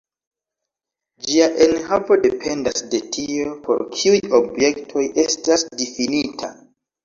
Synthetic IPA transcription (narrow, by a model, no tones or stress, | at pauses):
d͡ʒiaʔenhavo̞de̞pʰe̞ndasde̞tʰiopʰo̞̰ɾkʰiujobje̞ktʰo̞je̞stasdifinitʰa